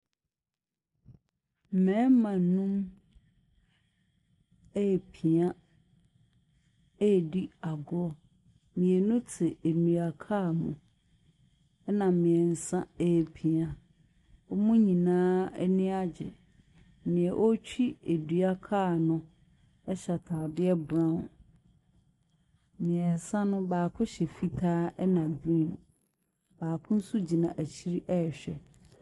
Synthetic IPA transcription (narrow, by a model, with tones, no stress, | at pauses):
mɛ̃˨˦mã˨nũ˦m | ɛ˦˨pʰi˨a˦ | e˦˨di˦a˨ɡɔ˦ | mĩ˨e˨nʊ̃˦tʰɪ˨e˨ni˨a˨kʰa˦˨mʊ̃˨ | ɛ˦nã˨mɪ̃˨ɛ˨n̩˨sã˦ɛ˦˨pʰi˨a˨ | ɔ˦mũ˦ɲĩ˨nãː˦ɛ˦nĩ˦a˦d͡ʑɪ̰˨ | nɪ̃˨ɛ˨ʔɔ˦t͡ɕᶣi˦e˨dɥa˦kʰaː˦˨nʊ̃˦ | ɛ˦ɕa˨tʰa˨dɪ˦ɛ˦bɾã˦˨ | mɪ̃˨ɛ˨n̩˨sã˦nʊ̃˦baː˨kʰʊ̃˦ɕɛ˨fi˦tʰaː˦ɛ˦nã˨bĩ˦˨n | baː˨kʰʊ̃˦n̩˦su˦d͡ʑi˨nã˨ʔæ˨t͡ɕʰi˦ɾi˦ʔɛ˦˨ɕᶣɛ̰˨